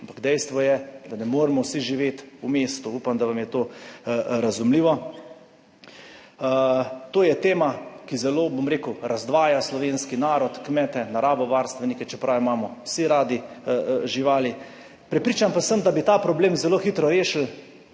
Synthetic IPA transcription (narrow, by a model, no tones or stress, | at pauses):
ampaɡd̪ɛjst̪ʋɔjɛd̪anɛmoːɾɛmɔwsiʒiʋeːt̪umeːst̪uuːpamd̪aʋamjɛt̪oː | ɾazumliːʋɔ | t̪oːjɛt̪eːmakizɛloːbomɾeːkʊɾazd̪ʋaːjaslɔʋenskinaːɾɔt̪kmɛːt̪ɛnaɾaːbɔʋaɾst̪ʋɛnikɛt͡ʃɛpɾawimaːmɔwsiɾaːd̪iʒiʋaːli | pɾɛpɾiːt͡ʃampasəmd̪abit̪aːpɾɔbleːmzɛloːxit̪ɾɔɾeːʃl